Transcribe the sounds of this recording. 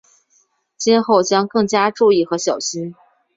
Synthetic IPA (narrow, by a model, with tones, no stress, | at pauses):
t͡ɕjɛ˥nxo˥˩ʊt͡ɕjɑ˥ŋkɤ˥˩ŋt͡ɕja˥ʈ͡ʂu˥˧i˥˩xɤ˧˥ɕjɑ˨˩ʊɕi˥n